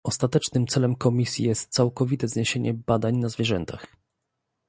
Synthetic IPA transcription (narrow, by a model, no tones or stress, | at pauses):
ɔst̪at̪ɛt͡ʂnɘmt̪sɛlɛmkɔmʲisʲjḭjɛst̪̚t̪sawkɔvʲit̪ɛzɲeɕeɲɛbad̪aɲnazvʲjɛʐɛnt̪ax